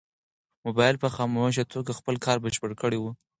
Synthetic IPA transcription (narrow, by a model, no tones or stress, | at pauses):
mʊbɑjɪlpəxɑmowaʃ̬at̪ʰoɡaxpəlkɑɾbəʃpəɽkəɽewu